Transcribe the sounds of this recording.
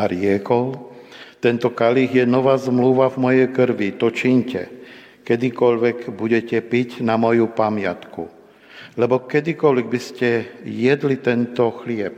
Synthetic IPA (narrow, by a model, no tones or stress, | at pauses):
ɾɪɛkɔlt̪ɛnt̪ɔkaliɣjɛnɔʋaːzmluʋavmɔjɛjkr̩ʋit̪ɔt͡ʃiɲcɛ̰ | kɛd̪ikɔʎʋɛɡbuɟɛcɛpicnamɔjupamɪa̰t̪kṵ | lɛbɔkɛd̪ikɔlʋɛɡ̚biscɛjɛd̪lit̪ɛnt̪ɔxlɪɛp̚